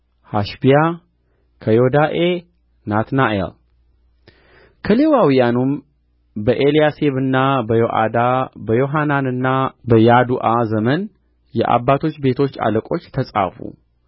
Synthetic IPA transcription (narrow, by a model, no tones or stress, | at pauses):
haʃbija | kʰəjo̞d̪aʔe | nat̪naʔḛl | kʰəle̞wawijanum | bəʔe̞lijase̞βɨnːabəjoʔa̰d̪abəjo̞ɦananɨnːabəjad̪uʔazəmən | jɛ̰ʔa̰bːat̪ʰo̞t͡ʃːbe̞t̪ʰo̞t͡ʃːa̰ləkʼo̞t͡ʃːt̪ʰəsʼa̰fṵ